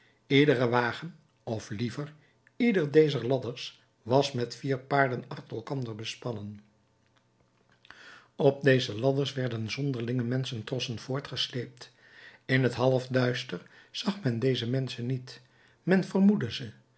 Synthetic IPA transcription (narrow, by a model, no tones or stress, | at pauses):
ɪdərəʋaːχən | ɔflivəɹ | idəɹdejzəɹlɑdəɹs | ʋɑsmɛtfiːɹpaːɹdənɑχtəɛlˠkɑndəɹbəspɑnən | ɔb̚dejzəlɑdəɹsʋɛɹdənzɔndəɹlɪŋəmɛnsəntrɔsənv̥ʊːɹtχəslejp̚t | ɪnətɦɑlˠəfdœɥstəɹ | z̥ɑχmɛndejzəmɛnsənːit | mɛnvəɹmudəzə